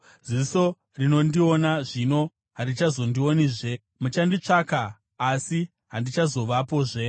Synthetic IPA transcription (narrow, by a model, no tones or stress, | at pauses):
ziso̞ | rino̞ndio̞naʐino̞ | ɦarit͡ʃazo̞ndioniʐe̞ | mut͡ʃandit͡ʂaːkaː | si | ɦandit͡ʃazo̞ʋapo̞ːʐe̞